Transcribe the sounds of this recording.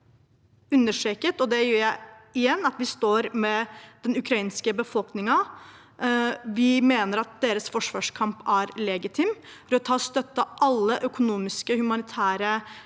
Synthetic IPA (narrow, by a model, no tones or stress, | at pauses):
ʉnːəʂeːkət̪ɔd̪ɛjøːɾjæɪɪjɛnːɑt̪ʋɪst̪oːɾmɛd̪̥ɛnʉkʰɾɑiːnskəbəfɔlknɪŋɑ | ʋɪmeːnəɾɑt̪̚d̪eːɾəsfɔʂʋɑːʂkʰɑmpæɾlɛɡɪt̪ʰɪmfɔɾɔt̪ʰɑːɔst̪œt̪ːəʔɑlːəʔœkʊnuːmɪskəhʉmɑnɪt̪ʰæːɾə